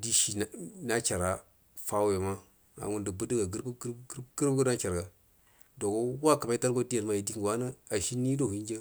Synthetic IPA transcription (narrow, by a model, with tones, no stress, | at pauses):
di˦ʃi˨n˨na˦t͡ʃa˨ɾa˨ | fa˦we˨ma˦ | na̰˨wu˦ndə˨bu˦də˦ɡa˨ɡə˦ɾbɡɡə˦ɾbɡo˦na˦t͡ʃa˨ɾɡa˨ | do˨ko˦wa˦ka˨ma˦i˦ta˦ɾɡʷo˦di˦ja˨ɾma˨ji˨di˦ŋɡwa˦na˦a˨ʃi˦nːi˦do˦hi˦nd͡ʒa˦